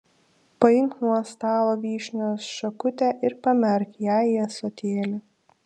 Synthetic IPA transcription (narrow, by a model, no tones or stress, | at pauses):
pɐjɪŋknuɔst̪ɑːlˠoːʋʲiːʃʲnʲoːsʃɐkʊt̪ʲɛʔɪɾpɐmʲɛɾʲkʲjæːjɛsot̪ʲeːlʲɪ